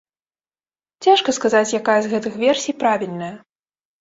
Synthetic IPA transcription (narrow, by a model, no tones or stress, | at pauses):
t͡sʲaʂkɐskazat͡sʲjakajɐzɣɛt̪ɨxvʲɛrsʲijpɾavʲilʲnɐjɐ